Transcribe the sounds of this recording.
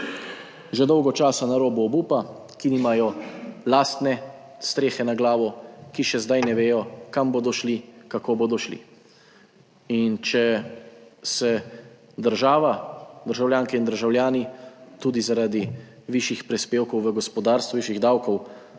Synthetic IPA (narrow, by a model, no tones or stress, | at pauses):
ʒɛd̪ɔwɡɔt͡ʃaːsanaɾoːbɔɔbuːpa | kiniːmajɔlaːst̪nɛ | st̪ɾeːxɛnaɡlaːʋɔkiʃɛzd̪ajnɛʋeːjɔkamboːd̪ɔʃlikakoːboːd̪ɔʃlḭ | int͡ʃɛ | sɛ | d̪əɾʒaːʋad̪əɾʒawljaːŋkɛind̪əɾʒawljaːnit̪uːd̪izaɾad̪i | ʋiʃixpɾispeːwkɔwʋəɡɔspɔd̪aːɾst̪ʋuʋiʃiɣd̪awkɔw